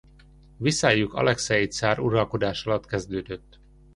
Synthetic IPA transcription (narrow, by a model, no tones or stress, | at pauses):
visaːjukɒ̰lɛksɛit̪saːɾuɾɒlko̞d̪aːʃɒlɒt̪kɛzd̪øːd̪øt̪ː